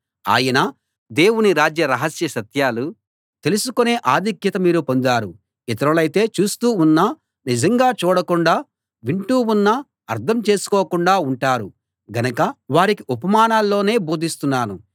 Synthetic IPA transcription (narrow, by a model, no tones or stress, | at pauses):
a̰ːjɐnɐ | d̪eːwuniɾaːd͡ʒjɐɾɐɦɐsjɐsɐt̪jaːlu | t̪e̞lusukone̞ːʔaːd̪ʱikjɐt̪ɐmiːɾupo̞nd̪aːɾu | ɛt̪ɐɾɐlɐjt̪e̞ːt͡ʃuːst̪uːunːɐ | nid͡ʒɐŋɡaːt͡ʃuːɽɐkuɳɖaː | ʋiɳʈuːunːɐ | ɐɾt̪ʰɐmt͡ʃe̞ːsu̥kɔːkuɳɖaːuɳʈaːɾu | ɡɐnɐkɐʋaːɾikiʔupɐmaːnaːlːo̞ːne̞ːbuːd̪ʱist̪unːaːnu